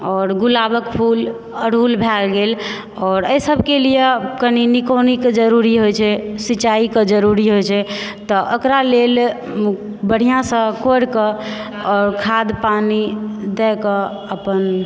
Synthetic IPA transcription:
ɔɾɡulabəkpʰul | əɽ̤ʱulbʱɛlɡel | ɔːɾəjsəbʱkelijekəninikɔnikd͡ʒəɾuɾiɦojt͡ʃʰɛsit͡ʃaikəd͡ʒəɾuɾiɦojt͡ʃʰɛt̪ɔʔəkɾalel | bəɽ̤ijãsə̃koɽkə̃ | ɔːɾkʰad̪panid̪ɛkə | əpən

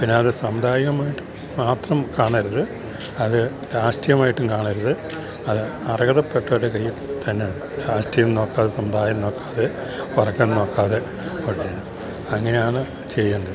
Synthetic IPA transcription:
pinːeɐðɨsɐmud̪ʱaːjɐɣɐmaːjiʈːum | maːt̪rɐmkaːɳaɾuðɨ | ɐðɨ | ɾaːʂʈijɐmaːjiʈːumkaːɳɐɾuðɨ | ɐðɨɐrɐɡɐðɐpːeʈːɐɽekɐjːilt̪ɐnːeðɨɾaːɕʈijɐmno̞ːkːaːðesɐmɐd̪ʱaːjɐmno̞ːkːḁːðe̞pɐrɐkːenno̞ːkːaːðe̞ | koɽit͡ɕːenːɐ | ɐŋːɐne̞jaːɳɨ | t͡ɕejːɐːɳɖɐðɨ

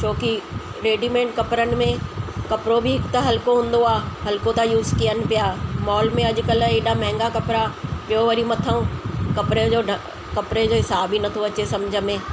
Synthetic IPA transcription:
t͡ʃʰoːki | ɾeːɖimẽːɳʈ̚kɐpɾənɪ̆mẽkɐpɾobʱiɪkt̪ɐɦɐlkoɦʊ̃nd̪oaːɦɐlkot̪ajuːzkijənɪ̆pɪjaːmɔːlmẽɐd͡ʑkɐleːɗamɛ̃ːŋɡakɐpɾapɪjoʋɐɾimɐt̪ʰəũkɐpɾeoː | kɐpɾed͡ʑoːɦɪsaːbinɐt̪ʰoɐt͡ɕesɐmd͡ʒʱəmẽː

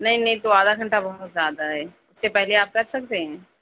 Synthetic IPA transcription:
nɐɦĩnɐɦĩt̪oaːd̪aɡɐ̃ɳʈabɐʊt̪zjaːd̪aɦɛː | ʊsːepɛɦleaːp̚kɐɾsɐk̚t̪eɦɛ̃ː

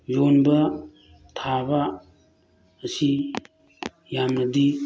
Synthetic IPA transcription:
jonbɐ | tʰabɐ | si | jamnɐdi

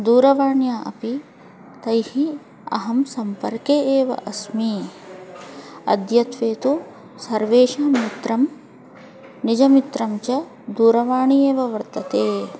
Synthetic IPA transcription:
d̪uːɾɐʋaːɳjaːʔɐ̰pi | t̪ɐjhi | ɐ̰ɦɐmsɐmpɐɾkeːʔeːʋɐ̰ʔɐsmi | ɐ̰d̪jɐt̪ʋeːt̪u | sɐɾʋeːʃɐːmit̪ɾɐm | nid͡ʒɐmit̪ɾɐmt͡ʃɐ | d̪uːɾɐʋaːɳieːʋɐʋɐɾt̪ɐt̪eː

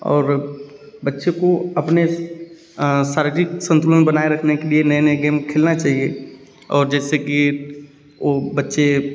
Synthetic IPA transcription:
ɔ̰ːɾ | bətːʃekoəpne | saːɾd͡ʒiksə̃nt̪uːlənbənaeɾəkʰnekelienənəɡeːmkʰeːlnat͡ʃaːɦie | ɔːɾd͡ʒɛːseki | obətːʃe

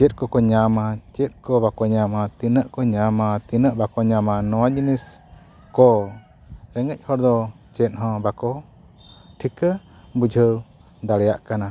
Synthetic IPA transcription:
t͡ʃɛt̪̚ˀkɔkɔɲamat͡ʃɛt̪̚ˀkɔbakɔɲamat̪inəʔkɔɲamat̪inəʔbakɔɲamanɔwad͡ʒinis | kɔ | ɾɛŋəc̚ˀhɔɾd̪ɔ | t͡ʃɛt̪̚ˀɦɔ̃bakɔ | ʈʰikə | bud͡ʒʱəw | d̪aɽɛjaʔkana

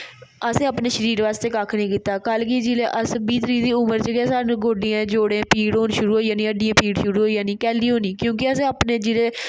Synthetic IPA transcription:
əsẽːapneːʃəɾiːɾʋaːst̪eːkaːkʰnĩːkiːt̪aːkəlkid͡ʒileːʔəsbiːt̪əɾiːd̪iːʊməɾt͡ʃəɡɛːsaːũːɡʱoːɖijãːd͡ʒoːɽẽːpiːɽɦoːnʃʊɾuːɦoːiːãːnĩːəɖijãːpiːɽʃʊɾuːɦoːijãːnĩːkɛːliːɦoːniːkjõːkɪəsẽːapneːd͡ʒileː

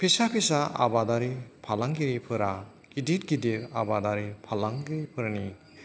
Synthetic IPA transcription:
pʰisapʰisaa̰badaɾipʰalaŋɡiɾipʰɯɾa | ɡ̥idit̚ɡidiɾa̰badaɾipʰalaŋɡiɾipʰɯɾani

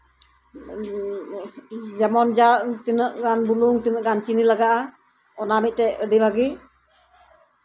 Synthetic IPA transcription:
d͡ʒamɔnd͡ʒaʔt̪inəʔɡanbuluŋt̪inəʔɡant͡ʃinilaɡaʔa | ɔnamit̪̚ˀtɛʔəɖibaɡi

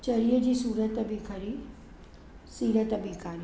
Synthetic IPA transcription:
t͡ɕɐɾijəd͡ʑiːsuːɾət̪bʱikʰɐɾi | siːɾət̪ɐbʱikʰaːɾi

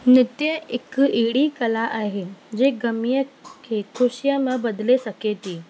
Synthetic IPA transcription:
nɪt̪jəekiɽikəlaʔaɦed͡ʑeɡəmijəkʰekʰuɕjəməbəd̪lesəket̪i

